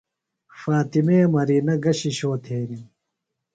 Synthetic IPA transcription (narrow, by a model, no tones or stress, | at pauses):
faːt̪imeːmɐɾiːnɐɡɐɕiɕoːt̪ʰeːni